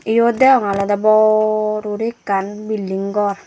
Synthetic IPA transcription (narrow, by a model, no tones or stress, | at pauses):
ijodɛɔŋalɔdabɔɾuɾikanbilːiŋɡɔr